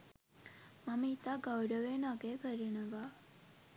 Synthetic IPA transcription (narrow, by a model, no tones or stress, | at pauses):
maməit̪aːɡawɖəʋenaɡeːkəɾenəʋaː